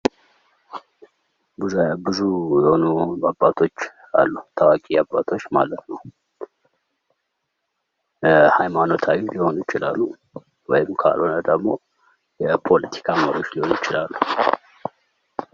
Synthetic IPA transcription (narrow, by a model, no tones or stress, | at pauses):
bɨzbɨzujɛho̞nubabːat̪ʰo̞t͡ʃː | a̰lːut̪ʰawakʼiabːat̪ʰo̞t͡ʃːma̰lət̪nəw | jhajmano̞t̪ʰawiliho̞nujɪt͡ʃɪlalːu | wɔjɪmkʰa̰lonəd̪əɡmo̞ | jɛpʰo̞lət̪ʰi̥kʰaməɾio̞t͡ʃːliho̞nujɪt͡ʃɪlalːu